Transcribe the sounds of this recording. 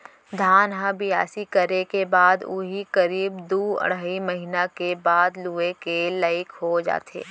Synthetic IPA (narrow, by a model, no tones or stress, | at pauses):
d̪ʱaːnɦãbɪja̰ːsikəɾekebaːd̪uɦikɐɾiːbd̪uːə̰ɽ̤aːiməɦɪnakebaːd̪luːekelaːɪkɦod͡ʒa̰ːt̪ʰḛː